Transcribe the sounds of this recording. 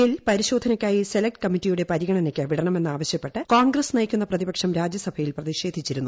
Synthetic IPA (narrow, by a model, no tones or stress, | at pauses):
ilpɐɾiɕo̞ːd̪ʱɐnɐkʲːaːjise̞lɐk̚ʈɨ̥kɐmːitːijuɽe̞pɐɾiɣɐɳɐnekʲːɨʋiɽɐɳɐme̞nːaːʋɐɕjɐpːe̞ʈːɨkaːnɡrɐsnɐjikʲːunːɐprɐðibɐkʂɐmɾaːd͡ʑjɐsɐbʱɐjilprɐðiʂe̞ːd̪ʱit͡ɕːiɾunːu